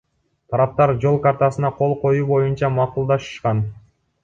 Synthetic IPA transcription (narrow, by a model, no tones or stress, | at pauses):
t̪ʰɑɾɑp̚t̪ɑɾd͡ʒo̞lˠkɑɾt̪ɑsɯnɑqʰo̞lˠqo̞juːbo̞junt͡ʃɑmɑqulˠd̪ɑʃɯ̥ʃqɑn